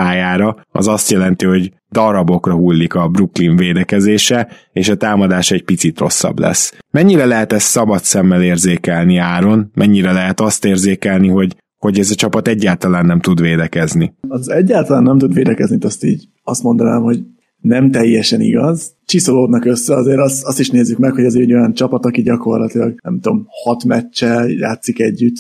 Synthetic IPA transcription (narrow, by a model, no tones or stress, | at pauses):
aːjaːɾɒɒ̰zɒst̪jɛlɛnt̪iɦo̞ɟ | d̪ɒɾɒbo̞krɒɦulːikɒbrukliɱveːd̪ɛkɛzeːʃɛ | eːʃɒt̪aːmɒd̪aːʃɛɟ̚pit̪sit̪ro̞̰sːɒ̰blɛ̰smɛɲːiɾɛlɛɦɛt̪ɛsːɒbɒt̪sɛmːɛleːrzeːkɛlniaːɾo̞nmɛɲːiɾɛlɛɦɛt̪ɒst̪eːrzeːkɛlniɦo̞ɟ | ho̞ɟɛzɒt͡ʃɒpɒt̪ɛɟːaːlt̪ɒlaːnːɛmt̪ud̪ʋeːd̪ɛkɛzniɒzɛɟːaːlt̪ɒlaːnːɛmt̪ud̪ʋeːd̪ɛkɛznit̪ɛst̪ḭːɟ | ɒst̪mo̞nd̪ɒnaːmho̞ɟ | nɛmt̪ɛjːɛʃɛniɡɒz | t͡ʃisoloːd̪nɒkøsːɛɒzeːɾɒst̪ɒst̪iʃneːzːykmɛkho̞ɟɛzeɾɛɟo̞jɒnt͡ʃɒpɒt̪ɒkiɟɒko̞rlɒt̪ilɒɡnɛmt̪o̞̰mhɒt̪mɛt͡ʃːɛlja̰ːt̪sikɛɟːyt̪